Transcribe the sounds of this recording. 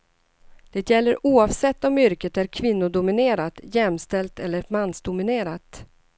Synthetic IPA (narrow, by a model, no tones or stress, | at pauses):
d̪̥ɛːt̪jɛlːəɾʔuːɑvsɛt̪ːɔmʏɾkət̪æɾkʰvɪnːʊd̪ʊmɪneːɾat̪jɛmst̪ɛlt̪ɛlːəɾmanːsd̪ʊmɪneːɾat̪